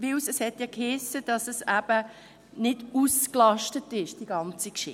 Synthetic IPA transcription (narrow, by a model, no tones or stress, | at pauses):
ʋɪwsɛshɛtjɑkhɪsːəd̥ɑsəsæb̥ə | nɪd̥usklɑʃtətɪʃd̥iɡɑnt͡sikʃɪ̰